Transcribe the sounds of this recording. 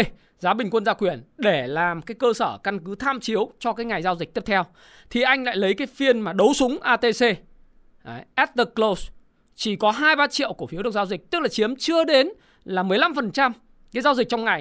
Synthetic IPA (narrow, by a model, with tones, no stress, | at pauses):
zaː˨˦ɓï˨˩ŋ̟kwə˧nzaː˧kwi˧˩ənɗe˧˩laː˨˩mkaː˨˦jkəː˧səː˧˩ka˧nkɨ˨˦t̪ʰaː˧mt͡ɕi˨˦əwt͡ɕɔ˧kaː˨˦jŋa˨˩jzaː˧wzï˨˩k̚t̪i˦˥p̚t̪ʰɛ˧w | t̪ʰi˨˩ʔa˧jŋ̟la̰ː˧˨jlə˨˦jkaː˨˦jfi˧ənmaː˨˩ɗə˨˦wsʊ˨˦ŋ͡mʔaː˧t̪e˧se˧˨ | ʔɛ˦˥t̚t̪ə˨˩k̚kːlo˧s | t͡ɕi˧˩kɔ˨˦ɦaː˧jɓaː˧t͡ɕḭ˧˨əwku˧˩əfi˨˦ɗɨ˨˩k̚zːwzï˨˩k̚t̪ɨ˦˥k̚laː˨˩t͡ɕi˨˦əmt͡ɕɨ˧əɗe˨˦n | laː˨˩mɨ˨˩əjla˧mfə˨˩nt͡ɕa˧m | kaː˨˦zaː˧wzï˨˩k̚t͡ɕɔ˧wŋ͡mŋa˨˩j